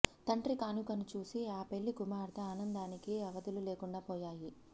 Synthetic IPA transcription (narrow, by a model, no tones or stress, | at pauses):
t̪ɐɳʈɾikaːnukɐnut͡ʃuːsiaːpe̞ɭːikumaːɾt̪ʰɐaːnɐnd̪aːnikiɐʋɐd̪ululeːkuɳɖaːpɔːjaːji